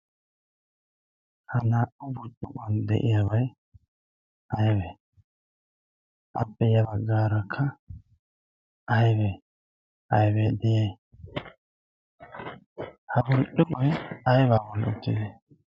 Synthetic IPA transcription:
hɐnaːʔʊbʊɾt͡ʃʼːʊkʼɐnd̪ɛ̰ʔɪjabɐj | ʔɐjbɛ | ʔɐ̰pːɛjɐbɐɡːaːɾɐkʰːɐ | ɐjbeː | ʔɐjbed̪ɛjeː | hɐbʊɾʔʊkʼʊjɛɐjbaːbɔlːɛ̰ʊt̪ːɪ̰d̪e

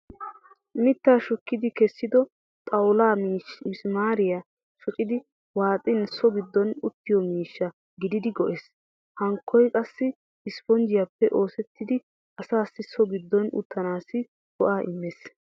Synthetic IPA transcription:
mɪt̪ːaːʃɔkːɪd̪ɪkɛsːɪd̪ɔ | t̪ʼɐwlaːsmaːɾɪja | ʃɔkʼɪd̪ɪ | waːt̪ʼɪnsɔɡɪd̪ːɔnʊt̪ːɪjɔmiːʃːɐ | ɡɪd̪ɪd̪ɪɡɔʔes | hɐŋkːɔjkʼɐsːɪ | ɪspɔnd͡ʒɪjapːɛʔo̞ːsɛt̪ːɪd̪ɪ | ɐsaːsːɪsɔɡɪd̪ːɔnʊ̰t̪ːɐnaːsɪ | kɔʔaːʔɪmːeːs

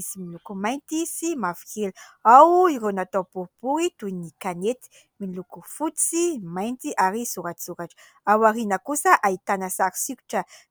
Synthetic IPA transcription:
isimilukumajnt̪isimafi̥keluawiɾonat̪opupuɾit̪uinikanet̪i̥ | milukufut͡simajnt̪iʔaɾisuɾaʈ͡ʂisuɾaʈ͡ʂə̥ | awaɾinakusaʔait̪anasaɾi̥siku̥ʈ͡ʂə

